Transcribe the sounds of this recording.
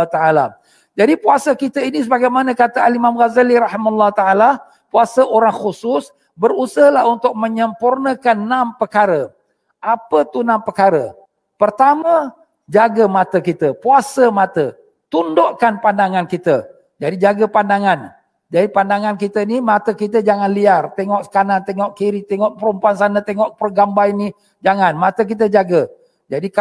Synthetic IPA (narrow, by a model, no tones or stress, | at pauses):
t̪aala | d͡ʒadipuasəkit̪əinis̬əbaɡajmanə̃kat̪əalimamɣazaliɾaɦimalːaht̪aala | puasəʔoɾaŋxusʊs | bərusəlaɦunt̪ʊk̚məɲəmpurnəkanːãmpəkaɾə | ʔapət̪unãmpəkaɾə | pərt̪amə̃ | d͡ʒaɡəmat̪əkit̪əpuasəmat̪ə | t̪undɔʔkanpandaŋankit̪ə | d͡ʒadid͡ʒaɡəpandaŋan | d͡ʒadipandaŋankit̪ənimat̪əkit̪̬əd͡ʒaŋanliart̪ɛŋɔʔsə̥kanant̪ɛŋɔʔkiɾit̪ɛŋɔʔpəɾumpuansanət̪ɛŋɔʔpərɡambajni | d͡ʒaŋanmat̪ək̬it̪əd͡ʒaɡə | d͡ʒadik